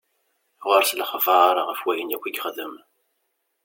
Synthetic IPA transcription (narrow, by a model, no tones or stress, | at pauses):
ʁəɾsləχəvɑɾˤɑʁəfwæjənækʷːiɡʲəχðəm